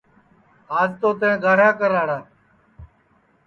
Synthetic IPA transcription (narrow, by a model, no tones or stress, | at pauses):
ɦaːzt̪oːt̪ẽːɡʱaːɽãːkəɾaːɽaː